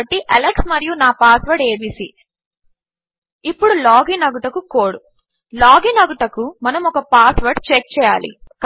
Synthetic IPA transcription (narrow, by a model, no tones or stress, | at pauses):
ʈːiʔɐleksmɐɾijunaːpaːsʋɐɾɖeːbiːsiː | ipːuɽulaːɡinɐɡuʈɐkukoːɽu | laːɡinɐɡuʈɐkumɐnɐmɔkɐpaːsʋɐɾɖt͡ʃek̚t͡ʃɛːja̰ːlḭk